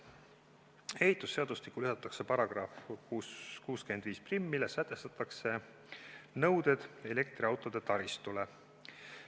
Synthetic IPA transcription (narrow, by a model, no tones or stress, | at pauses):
e̞hit̪ˑːusːeɑd̪̥ust̪ikːulyɦɑt̪ːˑɑkse̞pɑɾɑɡ̥rɑfkuskuːskyend̪viːsprimːilesæt̪ːˑe̞st̪ɑt̪ːˑɑkse̞ | nɤwd̪e̞d̪̥e̞le̞k̚t̪riɑwt̪ːˑo̞d̪̥e̞t̪ɑɾist̪ule